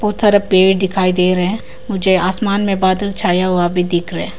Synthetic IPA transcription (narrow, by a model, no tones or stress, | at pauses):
b̥ɔːt̪saːɾapeːɽd̪ɪkʰaːid̪eːɾɐɦɛ̃ | mʊd͡ʒʱeaːsmaːnmẽbaːd̪əlt͡ʃʰaːjaɦuabʱid̪ɪkʰɾɐɛ̃